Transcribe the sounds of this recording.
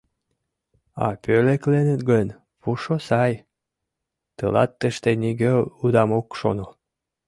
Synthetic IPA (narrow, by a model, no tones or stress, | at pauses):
ɑ̰pøleklenet̪ɡən | puʃosɑj | t̪əlɑ̰t̪ːə̆ʃt̪eniɡeud̪ɑmokʃo̰no